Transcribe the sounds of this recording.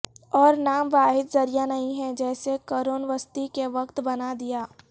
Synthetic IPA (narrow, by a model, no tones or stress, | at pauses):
ɔːɾnaːmʋaːɦɪd̪zɐɾijanɐɦĩɦɛ̃d͡ʒɛːsekoɾoːnʋəst̪ikeʋɐkt̪bɐnad̪ijaː